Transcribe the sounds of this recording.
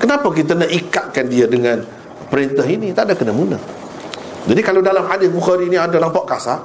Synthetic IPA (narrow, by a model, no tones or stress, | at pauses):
kənapak̬it̪̬anəʔikaʔ̪̚kandiadəŋãn | pəɾɪnt̪aɦinit̪aʔdakənamuna̰h | d͡ʒadikalawdalamhadɪsbuxaɾiːniadanaŋpaʔkasa